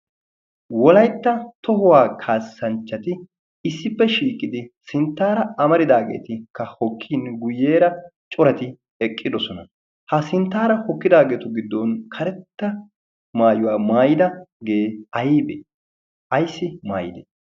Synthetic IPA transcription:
wɔlɐjt̪ːɐt̪ɔɦʊwaːkʰaːsːɐnt͡ʃːɐt̪ɪ | ɪsːɪpːɛʃiːkʼɪd̪ɪsɪnt̪ːaːɾɐɐmɐɾɪd̪aːɡḛːt̪ɪkːɐhɔkʰːiːnɡʊjːe̞ːɾɐt͡ʃʼɔɾɐt̪ɪ | ɛkʼːɪd̪ɔsɔnɐ | hɐsɪnt̪ːaːɾɐhɔkːɪd̪aːɡe̞ːt̪ʊɡɪd̪ːɔnkʰɐɾɛt̪ːɐ | maːjʊwaːmaːjɪd̪ɐɡe̞ːɐjiːbeː | ʔɐjsːɪmaːjɪd̪ḛ

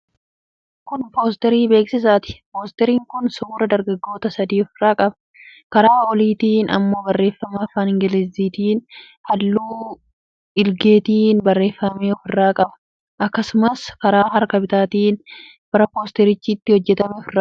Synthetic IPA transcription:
kʊnpo̞ːst̪ɛɾiːbe̞ːksɪsaːt̪ɪ̥poːst̪ɛɾiːŋkʊnsʊuːɾɐd̪ɐɾɡɐɡːo̞ːt̪ɐsɐd̪iːɔfɪrːaːkʼɐbɐ̥ | kɐɾaːɔliːt̪iːnɐ̰mːo̞ːbɐrːe̞ːfːɐmaːfaːnɪŋɡɛlɛzːiːt̪iːn | hɐlːuː | ɪlɡe̞ːt̪iːnbɐrːe̞ːfːɐmeːɔfɪrːaːkʼɐbɐ̥ | ʔɐkːɐsʊmɐskɐɾaːɦɐɾkɐbɪt̪aːt̪iːn | b̥ɐɾɐpo̞ːst̪ɛɾɪt͡ʃːɪt̪ːɪhɔd͡ʒːɛt̪ɐmɛɔfɪrːaː

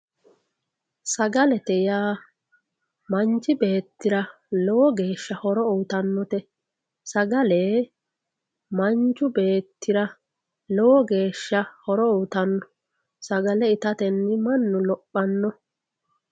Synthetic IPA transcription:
sɐɡɐlɛt̪ɛjaː | mɐnt͡ʃɪbe̞ːt̪ːɪɾɐ | lɔwɔɡe̞ːʃːɐhɔɾɔuːt̪ɐnːɔt̪ɛ | sɐɡɐleː | mɐnt͡ʃːʊbe̞ːt̪ːɪɾɐ | lɔwɔɡe̞ːʃːɐhɔɾɔuːt̪ɐnːɔ̥ | sɐɡɐlɛɪt̪ɐt̪ɛnːɪmɐnːʊlɔpːɐnːɔ

